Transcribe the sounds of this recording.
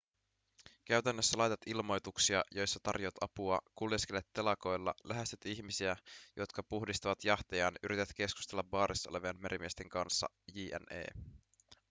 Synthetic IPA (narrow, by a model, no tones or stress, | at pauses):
k̟æɥt̪ænːøsːælɑjt̪ɑt̪ilmo̞jt̪uksiɑjo̞jsːɑt̪ɑ̰rjoɑt̪ʰɑpuɑ̰kulesk̟elet̪ːe̞lɑko̞jlːɑ̰læɦest̪æt̪içmisiæjʔo̞t̪kɑpuhdist̪ɑʋɑt̪jɑht̪ejɑːnyɾit̪et̪ke̞sku̥st̪e̞lːɑʋːɑːɾʔisːoleʋiɑnmeɾimiest̪e̞ŋkɑnsːɑ̰ | jiːʔæ̰nḛː